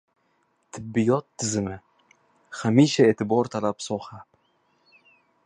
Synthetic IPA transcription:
t̪ʰɪbːɪjɒt̪ʰːɪzɪmɪ | hamiʃaeːt̪ʰɪbɒɾt̪ʰalapsɒha

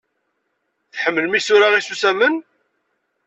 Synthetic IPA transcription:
θħəmːəlmisʊɾaʁisusæmən

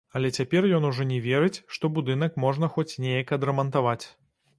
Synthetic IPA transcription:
ɐlʲɛt͡sʲapʲɛrjɔnuʐɔnʲɛvʲeɾɨt͡sʲʂt̪ɔbud̪ɨnɐkmɔʐnɐxɔt͡sʲnʲejɐkɐd̪ɾɐmɐnt̪avat͡sʲ

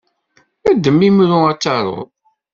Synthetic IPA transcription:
æd̪ːəmːimɾʊæt͡sːɑɾˤʊ̰ð

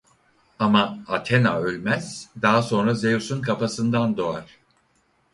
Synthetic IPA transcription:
amaːt̪ʰenaølʲmæz̥d̪aɦaso̞nɾaze̞jusunkʰapasɯnd̪and̪o̞aɾ̥

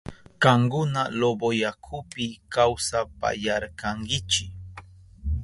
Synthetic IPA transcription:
kaŋkʊnalobojakʰʊpɪkawsapa̰jaɾkaŋkɪt͡ʃɪk

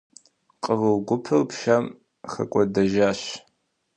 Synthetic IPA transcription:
qʼəʁɨwɡʷʊpʰɨrpʃɐm | xɐ̰kʷʼɔdɐʒaːɕ

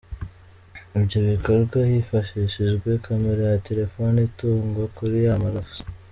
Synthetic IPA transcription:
ibɟoβiko̞ɾɡwahifaʃiʃiʒɡwe̞kʰameɾejate̞ɾe̞fonituːŋɡokuɾijamaɾafu̥

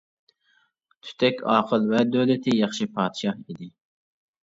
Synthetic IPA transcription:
t̪ʰy̥t̪ʰɛkʲɑːqʰəlˠvɛd̪øwlɪt̪ʰɪjɑχʃipʰɑːd̪ʃɑhid̪ɪ

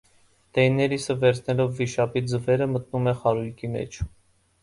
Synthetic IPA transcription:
d̪̥ɛjnɛɾisəvɛɾt͡sʰnɛlɔvːiʃɑpid͡zəvɛɾəmət̪̚numɛχɑɾujkʰimɛ̰t͡ʃʰ

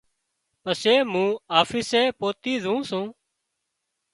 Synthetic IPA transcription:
pəseːmũːaːfiːseːpoːt̪iːzʱũːsũː

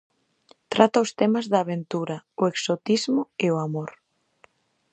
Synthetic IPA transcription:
t̪ɾat̪aost̪ɛmazðaːβent̪uɾɐoeksot̪izmʊeoamoɾ

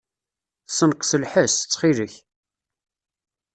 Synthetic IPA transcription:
sənqsəlħəsət͡sːχiləç

